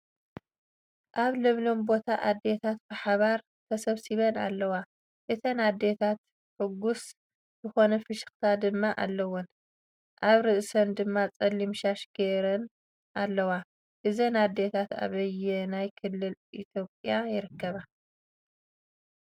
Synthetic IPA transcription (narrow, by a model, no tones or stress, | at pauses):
ʔaβlɐβlo̞mbo̞t̪ʰaʔad̪ːe̞t̪ʰat̪̚bɨħaβaɾ | t̪ʰɐsɐβsiβɐna̰lːɐwa | ʔɨt̪ʰɐnad̪ːe̞t̪ʰat̪ | ħɨɡːus | z̥ɨxo̞nɐfɨʃɨ̥xt̪ʰad̪ɨmːaʔa̰lːɐwɔn | ʔaβɾɨʔsɐnd̪ɨmːat͡sʼɐlːimʃaʃɡeɾɐn | ʔalːɐwa | ʔɨzɐnad̪ːet̪ʰat̪a̰βɐjɛnajkʰɨlːɨlʔit̪ʰjo̞pʼjajɪɾɨkːɐβa